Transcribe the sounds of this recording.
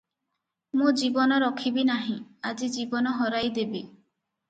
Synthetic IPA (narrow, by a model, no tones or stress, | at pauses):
mũd͡ʒibɔnɔɾɔkʰibinaɦĩad͡ʒid͡ʒibɔnɔɦɔɾajd̪ebi